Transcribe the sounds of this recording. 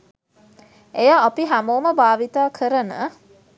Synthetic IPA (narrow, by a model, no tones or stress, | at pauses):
ejaːpiɦæmoːməbaːʋit̪aːkʰəɾənə̰